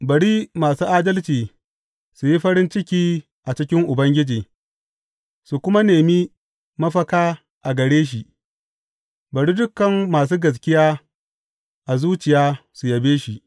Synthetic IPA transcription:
bɐ˨ɽi˦maː˨suː˦ʔaː˦dɐ˦lt͡ʃiː˨ | su˨ji˦ɸɐ˦ɽɪ˦nt͡ʃɪ˦kʲiː˦ | ʔa˨t͡ʃɪ˦kʲɪ˦ŋʔʊ˨bɐ˦ŋɡʲɪ˦d͡ʒiː˨ | su˨kʷʊ˦ma˦neː˨mi˦ | mɐ˦ɸɐ˦kaː˦ | ʔa˨ɡɐ˨ɽeː˦ʃ̬i˨ʔ | bɐ˨ɽi˦dʊ˦kːɐ˨mːaː˨s̬uː˦ɡɐ˨s̬kʲɪ˦jaː˦ | ʔa˨zuː˦t͡ʃɪ˨jaː˦su˨jɐ˨beː˦ʃi˨ʔ

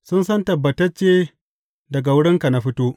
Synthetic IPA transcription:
sʊ˦nsɐ˦ntɐ˨bːɐ˨tɐ˦t͡ʃːeː˦ | dɐ˨ɡa˨wʊ˦ɽɪ˦ŋka˨na˦ɸɪ˦toː˦ʔ

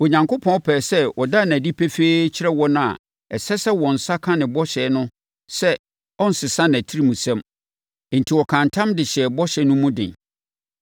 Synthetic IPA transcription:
o˨ɲã˨ŋkʰo˦pʰɔ̃˦ɔ˦pʰɛː˨sɛ˦wɔ˨da˦˨næ̃˨di˦pʰɛ˦feː˦t͡ɕʰɪ˦ɾɛ˦wɔ˦nʊ̃˦a̰˨ | ɛ˨sɛ˦sɛ˦wɔ̃˨n̩˨sa˦kʰã˦nɪ̃˨bɔ˦ɕɛː˨˦nʊ̃˦ | sɛ˦ | ɔ̃˦n̩˨sɪ˨sã˦n˨æ˨tʰi˦ɾi˦mũ˨sɛ̃˦m˨ | n̩˨tʰi˨wɔ˨kʰã˨ntʰã˦mdɪ˨ɕɛ˨bɔ˦ɕɛ˦nʊ̃˦mũ˦dɪ̰̃˨n

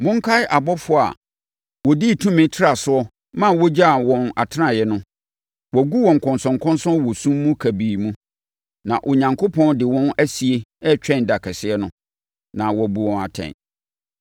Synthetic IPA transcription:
mʊ̃˦ŋ̩˦kʰa˦ɪ˦ʔa˨bɔ˦fʊ˦˨a̰˨ | wɔ˨di˦˨tʰũ˦mɪ̃˦tʰɪ˦a˨sʊ˦ɔ˦ | mã˦˨wɔ˦d͡ʑa˦˨wɔ̃˨na̰˨tʰɪ˦ã˦˨jɛ˨nʊ̃˦ | wɔ˨ɡu˦wɔ̃˨ŋ˨kʰɔ̃˨nsɔ̃˨ŋkʰɔ̃˦nsɔ̃˦nwɔ˨sũ˦mː˦ũ˦kʰæ˨biː˨mũ˦ | nã˨ʔɔ˨ɲã˨ŋkʰo˦pʰɔ̃˦ndɪ˨wɔ̃˦næ˦si˨e˦ɛ˦t͡ɕᶣɛ̃˦˨n˨da˨kʰɛ˨sɪ˦ɛ˦nʊ̃˦ | nã˨wɔ˨bu˨wɔ̃˨na̰˨tʰɛ̰̃˨

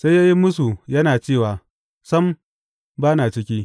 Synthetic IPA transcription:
sa˦jaː˦ji˦mʊ˦su˨jɐ˦naː˨t͡ʃeː˦˨waː˨ | sɐ˦m | baː˦naː˨t͡ʃɪ˦kʲiː˦

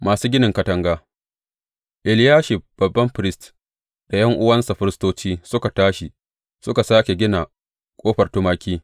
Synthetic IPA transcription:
maː˨suː˦ɡʲɪ˦nɪ˨ŋkɐ˦tɐ˦ŋɡaː˦ | ʔɪ˨ljaː˦ʃɪ˨ɸb̥ɐ˨bːɐ˦mɸɾɪ˦st | da˨jɐ˦ŋʔʊ˦wɐ˦nsa˨ɸɪ˦ɾɪ˦stoː˦t͡ʃiː˦sʊ˦ka˨taː˦ʃi˨ | sʊ˦ka˨saː˦kʲe˨ɡʲɪ˦na˨ | kʷʼoː˦ɸɐ˨rtʊ˦maː˦kʲiː˦

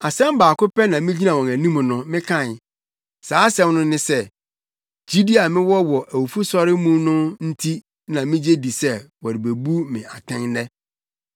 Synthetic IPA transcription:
a˨sɛ̃˦m˦baː˨kʊ˦pɛ˦nã˨mɪ̃˦d͡ʑi˦nã˨wɔ̃˨næ˨nĩ˦m˨nʊ̃˦mɪ̃˦kʰã˦˨n˨ | saː˨˦sɛ̃˦mnʊ̃˦nɪ̃˦sɛ˦ | d͡ʑi˦di˦a˨mɪ̃˦wɔ˦wɔ˨ʔæ˨wu˨fu˦sɔ˦ɾɪ˦mũ˦nʊ̃˦n̩˦tʰi˦ | nã˨mɪ̃˦d͡ʑe˦di˨sɛ˦wɔ˨ɾɪ˨be˨bu˦mɪ̰̃˨a˨tʰɪ̃˦ŋnɛ˦

